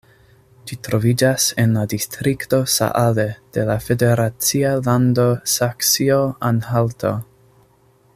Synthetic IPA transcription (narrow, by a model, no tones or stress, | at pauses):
d͡ʒitɾo̞vid͡ʒase̞nladistɾikto̞sa̰ʔale̞d̥e̞lafe̞de̞ɾat͡sialando̞saksioanhalto̰